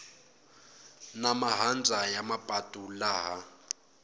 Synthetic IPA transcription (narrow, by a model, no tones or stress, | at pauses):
namaɦand͡zʱajamapʼatʼulaːɦa